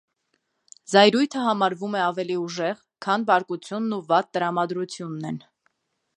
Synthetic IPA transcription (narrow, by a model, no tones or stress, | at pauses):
zɑjɾujt̪ʰəɦɑmɑɾvumɛɑvɛliuʒɛʁ | kʰɑnbɑɾkut͡sʰjunːuvɑt̪ːəɾɑmɑd̪ɾut͡sʰjunːɛn